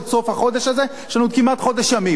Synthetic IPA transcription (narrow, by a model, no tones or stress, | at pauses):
tsofhaχo̞d̪eʃhaze | ʃanut̪̚kimat̪χo̞d̪eʃjami